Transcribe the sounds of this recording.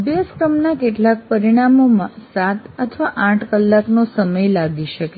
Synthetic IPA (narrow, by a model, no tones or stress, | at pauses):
bjaskɾəmnakeʈlak̚pəɾiɽ̃amomãsat̪ət̪ʰʋaʔãʈʰkəlːaknosəməjlaɡiʃəke